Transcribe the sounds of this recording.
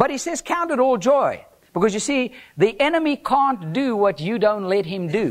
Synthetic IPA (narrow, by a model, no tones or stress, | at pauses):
b̥ʌt̚hisɛz̥kʰãʊ̃ntɨɾɔlˠd͡ʒɔɪ | b̥ɨkʌzjɨsiðiʔɛnɨmikʰæ̃nd̥ɨwʌt͡ʃɨdõʊ̃ntˡlɛt̚ɦɨ̃mdɨ